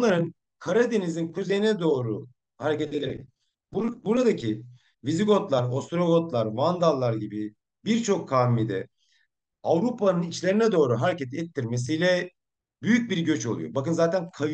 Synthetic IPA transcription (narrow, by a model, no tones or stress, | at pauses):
bunlˠaɾɯn | kʰaɾad̪e̞nizinkʰuze̞jinɛd̪o̞ːɾu | haɾecɛt̪elʲeḛ | bbuɾad̪acʰi | viziɡo̞t̪lˠaɾo̞st̪ɾo̞ɡot̪lˠaɾvand̪alˠːaɾɟibi | biɾt͡ʃʰo̞kʰːaːmid̪ɛ̰ | avɾupanɯnit͡ʃlʲe̞ɾinɛd̪o̞ːɾuɦaɾecɛt̪ʰɛt̪ʰːiɾme̞s̬ijlʲɛ | byjyc̚biɾɟø̞t͡ʃo̞lˠṵjo̞̰bakɯnzaːt̪ʰænkʰa